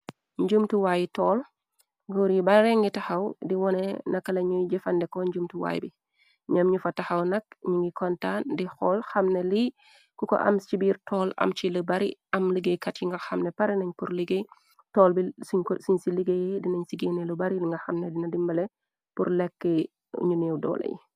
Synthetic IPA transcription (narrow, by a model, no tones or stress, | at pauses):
ɲɟumtuwaːjitɔːl | ɡuɾibɐɾeŋɡitɐxɐwdiwɔnenɐkːɐlɐɲujɟefɐndɛkɔɲɟumtuwa̰ːj̰bi | ɲɐmɲufɐtaxɐwnɐk̚ɲuŋɡikʰɔntandixɔːlxɐmneli | kukɔ̰ʔɐ̰mibiːɾtʰɔːlɐ̰mt͡ʃiləbɐɾḭɐmliɡejkɐtjiŋɡɐxɐmnɛpɐɾinɐɲpuɾliɡe | tɔːlbissuɲsiliɡejɛdinɐɲsiɡenelubɐɾiliŋɡɐxɐmnɛdinɐdimbɐlɛ | pṵɾlɛkːɛ | ɲunɛwdɔ̰ːlɐ̰jḭ